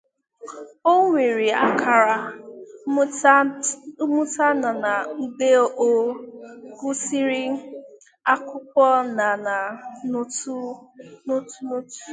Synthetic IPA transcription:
o˦ŋʷe˨ɾi˨a˦kʰa˨ɾa˨˦ | mu˦ta˦na˨na˨m̩˦be˦o˦ʔo˦ | kʊ˦si˦ɾi˦ | a˦kʷʊ˦k̚ʷɔ˦na˨na˨˦tnʊ˦tu˦no˦tu̥˦

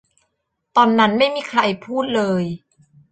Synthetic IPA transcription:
t̪ɔː˧nːa˦˥nma˥˩jmiː˧˩kʰɾa˧jpʰuː˥˩t̪̚lɤː˧j

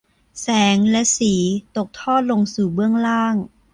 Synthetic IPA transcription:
sɛː˩˦ŋlɛ˦˥siː˩˦t̪o˨˩k̚t̪ʰɔː˥˩t̪̚lo˧ŋsuː˨˩bɯ˥˩əŋlaː˥˩ŋ

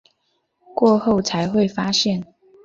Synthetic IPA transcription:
kwɔ˥˧xo˥˨ʊt͡sʰa˧˦ɪxwe˥˨ɪfa˥ɕjɛ˥˨n

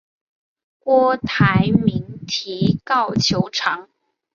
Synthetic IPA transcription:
kwɔ˥t̪ʰa˧˥ɪmi˧˥ŋt̪ʰi˧˥kɑ˥˩ʊt͡ɕʰjo˧˥ʊʈ͡ʂʰɑ˧˥ŋ

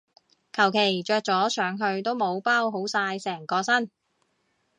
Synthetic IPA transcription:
kʰɐ˨˩wkʰe˨˩jt͡ʃœː˧k̚t͡sɔː˨˥sʰœː˨˥ŋɦɵ˧ɥt̪o˥wmo˨˧wpaː˥wɦo˨˥wsaː˧jsɛː˨˩ŋkɔː˧sɐ˥n

